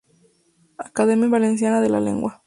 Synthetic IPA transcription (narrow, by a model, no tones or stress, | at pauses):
akaðemjaβalens̬janaðela̰le̞̰ŋɡwa